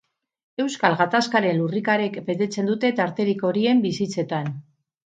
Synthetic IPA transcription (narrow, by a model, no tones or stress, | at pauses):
e̞wskalɣat̪askaɾe̞nlurikaɾekbe̞t̪e̞t͡se̞nd̪ut̪e̞t̪aɾt̪e̞ɾiko̞ɾie̞mbisit͡se̞t̪an